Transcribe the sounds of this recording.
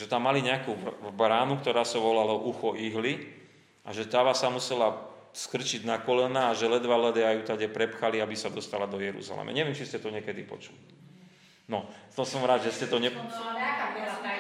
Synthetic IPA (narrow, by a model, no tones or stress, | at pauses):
ʒɛt̪amːaliɲɛakuːbɾaːnukt̪ɔɾaːsaʋɔlalɔʔuxɔʔiɦli | ʔa̰ʒɛt̪aːʋasamusɛla | skr̩t͡ʃiɟnakɔlɛnaːʒɛlɛd̪ʋalɛd̪ɛajut̪aɟɛpɾɛpxaliabisad̪ɔst̪alad̪ɔjɛɾṵza̰lɛ̰mɛ̰ɲɛʋɪɛmt͡ʃiscɛt̪ɔɲɪɛkɛd̪ipɔ̰t͡ʃuli | nɔt̪ɔsɔmɾaːd̪ʒɛscɛt̪ɔɲɛpɔ